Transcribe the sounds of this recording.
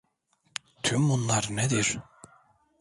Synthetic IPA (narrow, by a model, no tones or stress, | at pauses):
t̪ʰymbunlˠaɾned̪iɾ̥